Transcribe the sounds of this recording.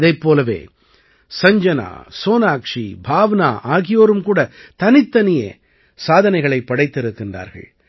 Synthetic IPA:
ðɐɪpːoːlɐʋḛː | sɐɲd͡ʒɐna̰ːsoːnaːkʂibʱaːʋɐna̰ːʔaːɣɪjoːɾɯmkuːɽɐt̪ɐnɪt̪ːɐnɪjɐ̰ | saːðɐnɐɪɣɐɭɐɪpːɐɽɐɪt̪ːɪɾɯkːɪndra̰ːɾɣɐ̰ɭ

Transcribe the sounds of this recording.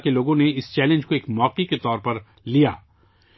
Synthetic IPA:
keloːɡõneɪst͡ʃɛːlə̃nd͡ʒkoeːkmɔːqiket̪ɔːɾpɐɾ | lija̰ː

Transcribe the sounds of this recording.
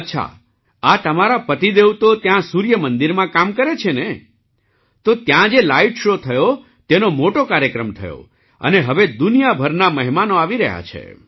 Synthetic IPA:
ətːʃʰa̰ | at̪əmaɾapət̪id̪ewt̪ot̪jãsuɾjəmənd̪iɾmãkamkəɾet͡ʃʰene | t̪ot̪jãd͡ʒelaiʈʃot̪ʰəjo | t̪enomoʈokaɾjəkɾəmt̪ʰə̰jo̰ | ə̰neɦəʋed̪unijabʱəɾnaməɦimanoaʋiɾəɦja̰t͡ʃʰḛ

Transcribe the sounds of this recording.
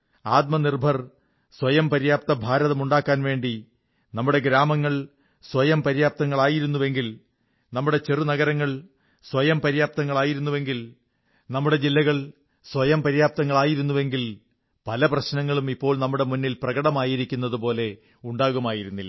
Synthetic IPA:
aːt̪̚mɐnirbʱɐr | swɐjɐmpɐɾijaːp̚t̪ɐbʱaːɾɐðɐmuɳɖaːkːaːnʋe̞ːɳɖi | nɐmːuɽe̞ɡɾaːmɐŋːɐɭ | swɐjɐmpɐɾijaːp̚t̪ɐŋːɐɭaːjiɾunːuʋe̞ŋɡil | nɐmːuɽe̞t͡ɕerunɐɣɐɾɐŋːɐɭ | swɐjɐmpɐɾijaːp̚t̪ɐŋːɐɭaːjiɾunːuʋe̞ŋɡil | nɐmːuɽe̞d͡ʑilːɐɣɐɭ | swɐjɐmpɐɾijaːp̚t̪ɐŋːɐɭaːjiɾun̪ːuʋe̞ŋɡil | pɐlɐprɐɕnɐŋːɐɭumipːo̞ːɭnɐmːuɽe̞munːilprɐɣɐɽɐmaːjiɾikʲːun̪ːɐðupo̞ːle̞ | uɳɖaːɣumaːjiɾunːilːɐ

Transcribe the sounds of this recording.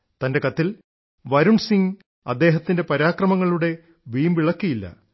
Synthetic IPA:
t̪ɐnde̞kɐt̪ːil | ʋɐɾuɳsiŋ | ɐ̰d̪ːe̞ːɦɐt̪ːinde̞pɐɾaːkrɐmɐŋːɐɭuɽe̞ | ʋiːmʋiɭɐkːijilːɐ̰

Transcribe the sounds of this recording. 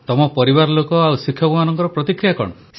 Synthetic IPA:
t̪ɔmɔpɔɾibaɾlokɔawsikʰːjɔkumanɔŋkɔɾɔpɾɔt̪ikɾijakɔ̰ɽɔ̰

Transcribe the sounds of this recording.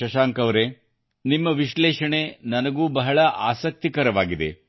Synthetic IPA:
ɐʃaːŋkɐʋɾe | nimːɐʋiʃlɛːʃɐɳenɐnɐɡuːbɐɦɐɭɐʔaːsɐk̚t̪ikɐɾɐʋaːɡid̪e̞̰

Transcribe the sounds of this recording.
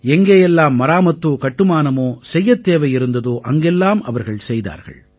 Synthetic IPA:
ɛŋɡeːjɛlːaːmːɐɾaːmɐt̪ːoːkɐʈːɯmaːnɐmoːsɛjːɐt̪ːeːʋɐjɪɾɯnd̪ɐðoːʔɐŋɡɛlːaːmɐʋɐɾɣɐɭsɛjða̰ːɾɣɐ̰ɭ

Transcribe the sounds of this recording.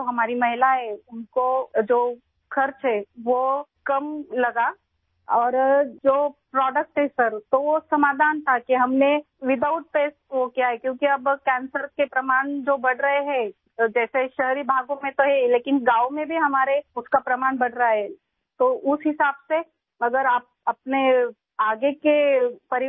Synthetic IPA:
t̪oɦɐmaːɾimɐɦɪlaɦɛʊnkod͡ʒoː | kʰɐɾt͡ʃɦɛʋokɐmlɐɡa | ɔːɾd͡ʒoːpɾɔːɖək̚ʈɦɛsɐɾt̪oʋosɐmaːd̪ʱaːnt̪ʰakeɦɐmne | ʋɪd̪aːʊʈ̚peːsʈʋokijaɦɛkjõːkiɐbkɛ̃ːnsəɾkepɾɐmaːɳd͡ʒoːbɐɽɾɐɦeɦɛ̃ | d͡ʒɛːseʃɐɦɾibʱaːɡõmẽt̪oɦɛleːkɪnɡaːomẽbʱiɦɐmaːɾeʊskapɾɐmaːɳbɐɽɾaaɦɛ | t̪oʔʊsɦɪsaːbse | ɐɡəɾaːp̚ɐpne | aːɡekepɐɾɪ

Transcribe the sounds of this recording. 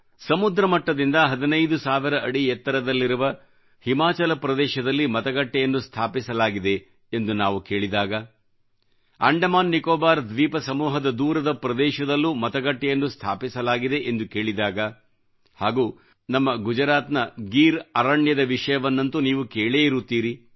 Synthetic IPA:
sɐmud̪ɾɐmɐʈːɐd̪ind̪ɐɦɐd̪inɐjd̪usaːʋiɾɐʔɐɽijɛt̪ːɐɾɐd̪ɐlːiɾuʋɐ | himaːt͡ʃɐlɐpɾɐd̪ɛːʃɐd̪ɐlːimɐt̪ɐɡɐʈːɛjɐnːust̪ʰaːpisɐlaːɡid̪e̞ː | nd̪unaːʋuke̞ːɭid̪aːɡɐ | ɐ̰ɳɖɐmaːnːikɔːbaːɾd̪ʋiːpɐsɐmuːɦɐd̪ɐd̪uːɾɐd̪ɐpɾɐd̪ɛːʃɐd̪ɐlːumɐt̪ɐɡɐʈːɛjɐnːust̪ʰa̰ːpisɐlaːɡid̪e̞ʔend̪uke̞ːɭid̪aːɡɐ | haːɡuː | nɐmːɐɡud͡ʒɐɾaːt̪nɐɡiːɾɐɾɐɳjɐd̪ɐʋiʂɐjɐʋɐnːɐnt̪uniːʋukeːɭeːiɾut̪ːiːɾi

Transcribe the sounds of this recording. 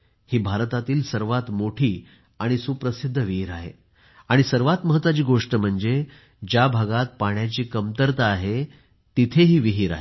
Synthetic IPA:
hiːbʱaɾt̪at̪iːlsəɾʋat̪moʈʰiː | aɽ̃isupɾəsid̪ʱːəʋiɦiːɾaɦḛ | aɽ̃isəɾʋat̪məɦət̪ːʋat͡ɕiːɡoʂʈəm̤əɳd͡ze | d͡ʑjabʱaɡat̪̚paɳjat͡ɕiːkəmt̪əɾt̪aːɦe | t̪it̪ʰeɦiːʋiɦiːɾa̰ɦe

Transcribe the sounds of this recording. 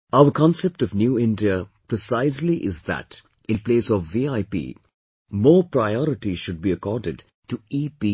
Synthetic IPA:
aʊəɾkʰɔ̃nsep̚ʈɔʋnjuːɪ̃nɖiəpɾɪsaɪzliʔɪzðæ̰ʈ | ɪ̃npleːsɔvːiaɪpḭː | mɔːɾpɾaɪɔɾɪʈiʃʊɖ̚biəkɔːɾɖɪɖ | ʈuiːpi

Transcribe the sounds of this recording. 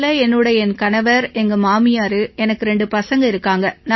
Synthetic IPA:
lɐɛnːɯɽɐjɛnkɐnɐʋɐɾɛŋɡɐmaːmɪjaːɾɯɛnɐkːɯɾɛɳɖɯpɐsɐŋɡɐɪɾɯkːaːŋɡɐna

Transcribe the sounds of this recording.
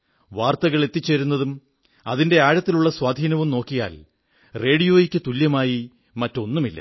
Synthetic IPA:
ʋaːrt̪ɐɣɐɭe̞t̪ːit͡ɕːeɾunːɐðum | ɐðinde̞aːɻɐt̪ːiluɭːɐswaːd̪ʱiːnɐʋumno̞ːkːija̰ːl | re̞ːɽijo̞ːjikʲːɨt̪uljɐmaːji | mɐtːo̞nːumilːɐ̰

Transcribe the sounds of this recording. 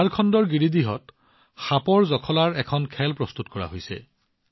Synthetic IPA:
aɹkʰɔndɔɹɡiɹidiɦɔ̰t | xapɔɹzɔkʰɔlaɹɛkʰɔnkʰɛlpɹɔstutkɔɹa̰ɦojsɛ̰

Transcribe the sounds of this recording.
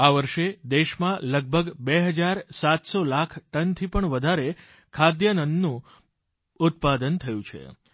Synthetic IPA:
aʋəɾʃed̪eʃmãləɡ̚bʱəɡbeɦəd͡ʒaɾsat̪solakʰʈənt̪ʰipəɳʋəd̪ʱaɾe | kʰad̪jənənd̪nũ | ʊt̪̚pad̪ənt̪ʰəjũt͡ʃʰḛ

